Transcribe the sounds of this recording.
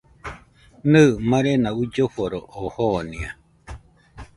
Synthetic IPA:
nɨːmãɾenaud͡ʒoɸoɾoʔohonĩa

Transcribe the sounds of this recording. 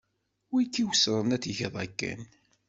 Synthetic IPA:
wikːiwsɾˤənæθəçðˤækːæ̰n

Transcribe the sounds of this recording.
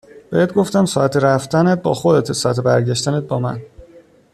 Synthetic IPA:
b̥ehet̪̚ɡoft̪æmsɒːæt̪ʰeɾæft̪ænet̪̚bɒ̰ːxod̪et̪ʰesɒːæt̪ʰebæɾɟæʃt̪ænet̪̚bɒːmæ̰n

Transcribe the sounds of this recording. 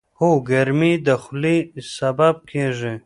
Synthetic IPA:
hoɡaɾmid̪əxlisabab̚kʰeʐe

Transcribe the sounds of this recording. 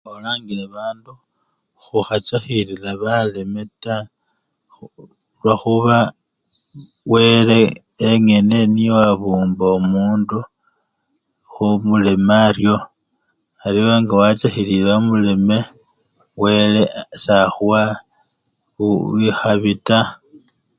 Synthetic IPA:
olaːŋɡileβaːndu | xuxat͡ʃaxiɾilaβalemeta | lwaxuβa | we̞le̞ː | ŋe̞ne̞nijoaβuːmboomuːndu | xumule̞marjo̞ | arjioaŋɡawat͡saxililamule̞me̞ | we̞le̞saxuwa | uixaβita

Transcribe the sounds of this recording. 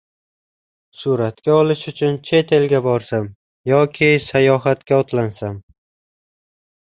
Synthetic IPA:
suɾat̪kʲaɒlɪʃʊt͡ʃʰʊnt͡ʃʰe̞t̪ʰe̞lɡʲabɒɾsam | jɒkʲʰɪsajɒɦat̪kʲaɒt̪ʰlansam

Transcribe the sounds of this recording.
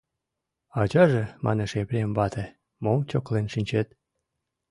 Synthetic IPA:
ɑt͡ɕɑʒĕmʔɑ̰neʃeβɾʲembɑt̪e | momt͡ɕoklenʃinʲt͡ɕet̪̚

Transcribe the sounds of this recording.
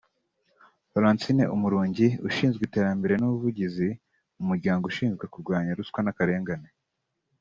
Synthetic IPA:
paɾaːntinḛʔumuɾuːɲɟiṵʃiːnzɡite̞ːɾambe̞ɾe̞nuβuvuɟizi | umuɾɟaːŋɡouʃiːnzɡwe̞kuɾɡwaːɲaɾuskwanakaɾe̞ːŋɡane

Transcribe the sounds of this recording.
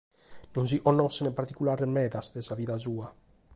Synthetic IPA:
nunziʔonosenepaɾt̪ikulaɾemeðasd̪esaβiðazua

